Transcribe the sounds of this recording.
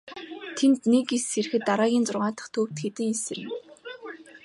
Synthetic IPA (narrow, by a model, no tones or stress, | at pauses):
t̪ʰent̪nekiser̆xɘ̆t̪ːaɾaːɣʲiːnt͡sʊrʁaːt̪ə̆χt̪ʰɵːwt̪ɡet̪ɘ̆ŋesɘ̆rɪ̆m